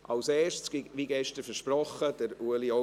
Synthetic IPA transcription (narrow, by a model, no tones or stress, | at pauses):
ʔɑwseːʃsɡʋiɡɛʃtəɾfəɾʃprɔχəd̥əɾuəlio